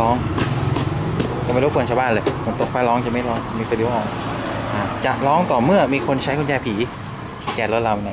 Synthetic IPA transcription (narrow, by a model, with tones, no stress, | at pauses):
ɔː˦˥ŋ | t͡ɕa˨ma˥˩ɾo˦˥u˧nt͡ɕʰa˧baː˥˩nlɤː˧kʰo˧˩nt̪o˨˩k̚ʰaː˧˩lɔː˦˥ŋt͡ɕa˨˩ma˥˩lɔː˦˥ŋa˨˩miː˧k̪ʰːi˧˩˦ʔɔː˧˥ŋʔaː˧˩t͡ɕa˨˩ʔlɔː˦˥ŋt̪ɔː˨˩mɯ˥˩ɐmiː˧kʰo˧nt͡ɕʰa˦˥jkʰo˧nt͡ɕɛː˧pʰiː˩˦ | kɛː˨˩lo˦˥t̪̚la˧m˧na˧˩